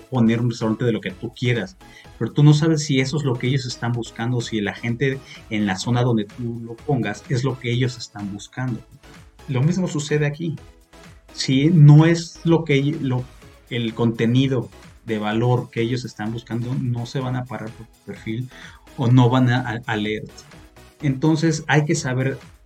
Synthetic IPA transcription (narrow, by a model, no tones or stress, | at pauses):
po̞ne̞ɾunrest̪awɾant̪e̞ðelo̞ke̞t̪ukje̞ɾas | pe̞ɾot̪uno̞s̬aβ̞e̞sːie̞so̞ezlo̞keeʝo̞s̬e̞st̪ambuskand̪o̞silaxe̞nt̪e̞ːnlaso̞naðo̞nd̪e̞t̪ulo̞po̞ŋɡasezlo̞ke̞e̞ʝo̞se̞st̪ambuskand̪o̞lo̞mizmo̞suse̞ðe̞aki | sino̞e̞zlo̞keelo | elko̞nt̪e̞niðo̞ðe̞βalo̞ɾke̞eʝo̞s̬e̞st̪ambuskand̪o̞no̞se̞β̞anapaɾʔaɾpo̞ɾt̪u̥pe̞ɾfilono̞βanaʔaleeɾt̪e̥ent̪o̞ns̬e̞sajke̞saβe̞ɾ